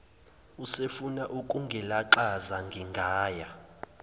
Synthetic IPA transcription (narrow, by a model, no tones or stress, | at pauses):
usefunaʔukʼuŋɡʱɛlaǃazaŋɡʱiŋɡʱaːja